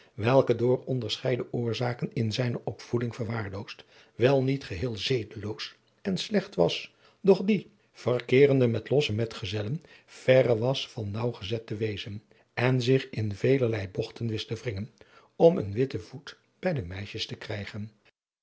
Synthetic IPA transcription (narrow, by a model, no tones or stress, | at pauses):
ʋɛlˠkədʊːrɔndəɹsχɛjdəʔʊːɹzaːkənɪnzɛjnəʔɔpfudɪŋv̥əɹʋaːɹlowst | ʋɛlˠnitχəɦɪːlˠzejdəlows | ɛnslɛχtʋɑ̰s | d̥ɔχdi | v̥ərkɪːrəndəmɛtlɔsəmɛtχəzɛlən | v̥ɛɾəʋɑsfɑnːɑwχəzɛtəʋejzən | ɛnzɪχɪnvejləɹlɛjbɔχtənʋɪstəvrɪŋən | ɔmə̰nʋɪtəv̥ut | b̥ɛjdəmɛjʃəstəkrɛjχən